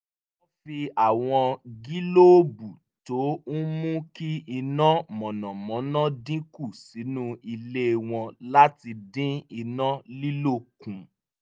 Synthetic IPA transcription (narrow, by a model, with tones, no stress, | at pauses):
o˧fi˧a˨w̃ɔ̃˧ɡi˦lo˦bu˨ | to˨˦n̩˦mũ˦ki˦i˧nã˦mɔ̃˨nɔ̃˨mɔ̃˨˦nã˦dĩ˦ku˦˨si˨˦nũ˦i˧le˦˧w̃ɔ̃˧la˦ti˧dĩ˦i˧nã˦li˦lo˦˨kũ˨